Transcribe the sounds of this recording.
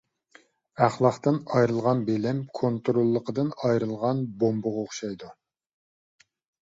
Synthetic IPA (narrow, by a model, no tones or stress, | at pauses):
æχlˠɑχt̪ɨnɑjɾɨlˠʁɑnbelɪmkʰont̪ɾolˠːəqəd̪ɨnɑjɾɨlˠʁɑnbombʊʁoχʃɑjd̪u